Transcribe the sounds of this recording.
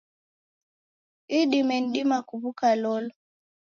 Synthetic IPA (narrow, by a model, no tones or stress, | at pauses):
iɗimɛn̩dimakuβukalɔlɔ